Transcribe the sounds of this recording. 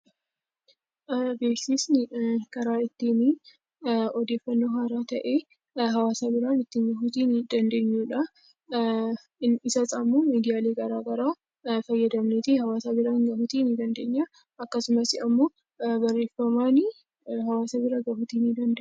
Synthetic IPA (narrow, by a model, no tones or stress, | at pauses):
ʔbeːsiːsnɪkɐɾaːɪt̪ːini | ɔd̪e̞ːfːɐnːoːɦaːɾaːt̪ɐʔe̞ː | ɦɐwaːsaːbɪɾaːnɪt̪ːɪŋɡɐfut̪iːnɪd̪ɐnd̪e̞ːɲːuːᶑɐ | ɪsɐt͡sʼamuːmiːd̪ɪjaːle̞ːɡɐɾaːɡɐɾaː | fɐjːɐd̪ɐmneːt̪ɪhɐwaːsaːbɪɾaːŋɡɐfʊt̪iːnɪd̪ɐnd̪e̞ːɲːa | ɐkːɐsʊmɐsɪɐmːoː | bɐrːe̞ːfɐmaːnɪ | ɦɐwaːsɐbɪɾaɡɐfʊt̪iːnid̪ɐnd̪